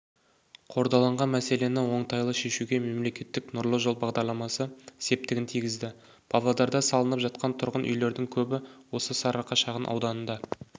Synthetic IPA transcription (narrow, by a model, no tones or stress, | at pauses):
qʰo̞ɾd̪ɑlˠɑɴʁɑnmæse̞le̞nɪwo̞ɴt̪ʰɑjlˠəʃe̞ʃuɡʲe̞me̞mle̞kʲe̞t̪ːɪknʊɾlˠəʒo̞lˠbɑʁd̪ɑɾlˠɑmɑsəse̞p̚t̪ɪɡʲɪnt̪ʰijɡʲɪzd̪ɪ | b̥ʰɑvlˠɑd̪ɑɾd̪ɑsɑlˠənəpʒɑt̪̚qʰɑnt̪ʰʊɾʁənʔʏ̰jle̞ɾd̪ɪŋkʲʰɵbɪwo̞səsɑɾɑqːɑʃɑʁənʔɑ̰wd̪ɑnənd̪ɑ